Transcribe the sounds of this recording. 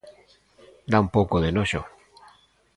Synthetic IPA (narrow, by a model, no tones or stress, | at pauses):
d̪aumpowkoðenoʃo̰